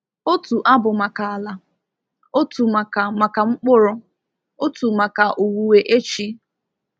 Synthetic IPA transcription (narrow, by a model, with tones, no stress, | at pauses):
o˦tu˨ʔa˦bʊ˨ma˨ka˨a˨la˨ | o˦tu˨ma˨ka˨ma˨ka˨ŋ͡m̩˦k͡pʊ˦ɾʊ˦ | o˦tu˨ma˨ka˨ʔu˨wu˨we˨ʔe˦t͡ʃi˦